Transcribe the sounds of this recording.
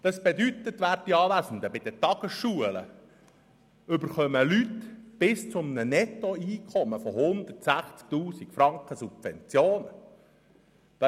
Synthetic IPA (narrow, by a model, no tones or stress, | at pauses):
d̥̪ɑsb̥ed̪yt̪ət̪ʋæːɾdiɑːʋæsn̩d̪əbɪd̥̪ətɑɡ̥əsʃuələ̰ | ʏbəɾχœməlytb̥ɪst͡sʊmnənɛt̪ɔiːkʰχɔməfɔɦʊnd̪ərtsæχt͡sk̚t̪uːsikfɾɑŋkχəsub̥vɛ̰nt͡sjoːnə | d̪̥ɑ